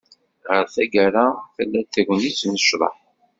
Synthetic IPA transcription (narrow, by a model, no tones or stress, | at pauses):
ʁəɾθæɡæɾaθəlːæθæʝʷənit͡sːnəʃðˤə̰ħ